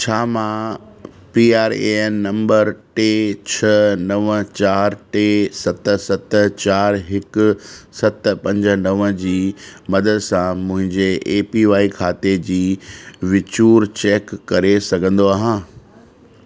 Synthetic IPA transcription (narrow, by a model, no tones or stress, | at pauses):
t͡ɕʰaːmã | piːaːɾḛnnɐ̃mbəɾʈeːt͡ɕʰɐnɐʋət͡ɕaːɾʈeːsɐt̪ə̆sɐt̪ə̆t͡ɕaːɾɦɪkʊ̆sɐt̪pɐ̃ɲd͡ʑə̆nɐʋə̃d͡ʑiːmɐd̪əd̪sãmʊ̃ɦɪ̃ɲd͡ʑeʔeːpiʋaːikʰaːt̪ed͡ʑiːʋɪt͡ɕuːɾt͡ɕeːkːɐɾesɐɡʱə̃n̆d̪oaːɦãː